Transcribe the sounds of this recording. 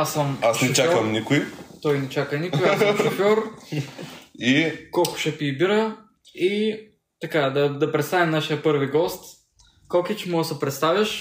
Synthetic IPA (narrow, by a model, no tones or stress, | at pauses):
asəmasʃnɛot͡ʃakɐmnikʊit̪ɔjnɛt͡ʃakənikʊiasɐmʃofʲɔɾ | ikɔlˠkʊ̥ʃɛpiːbiɾə | i | t̪ɐkad̪ɐd̪ɐpɾɛt̪st̪avimnaʃijəpɤɾviɡɔst̪ | kokit͡ʃmɔɡəsəpɾɛt̪st̪avʲɐʃ